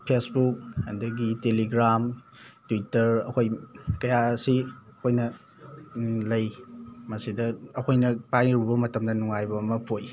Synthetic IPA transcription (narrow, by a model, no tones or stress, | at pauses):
pʰesbuk̚ɐndɐɡiteliɡɾam | twitːɐɾɐ̰kʰojkɐjasiɐkʰojnɐ | lɐjmɐsidɐːkʰojnɐpajɾubɐmɐtɐmdɐnuŋajbɐːmɐpʰoj